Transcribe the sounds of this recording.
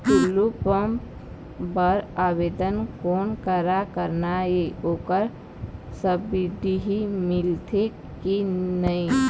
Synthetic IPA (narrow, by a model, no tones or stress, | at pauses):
kʊlːupəm | bəɾaːʋeːd̪ənkoːnkəɾakəɾnaeoːkəɾ | səbid̪iɦimɪlt̪ʰe | kinəĩ